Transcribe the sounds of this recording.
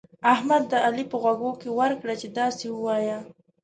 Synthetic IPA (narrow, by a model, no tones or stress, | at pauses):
ahmad̪ːəalipəɣwaɡokewəɾkɽat͡ʃed̪ɑsewəwɑja